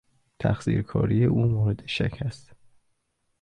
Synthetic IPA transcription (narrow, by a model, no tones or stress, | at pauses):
t̪ʰæ̰xsḭːɾkʰɒ̰ːɾijeʔuːmoːɾed̪eʃæ̰cʰæst̪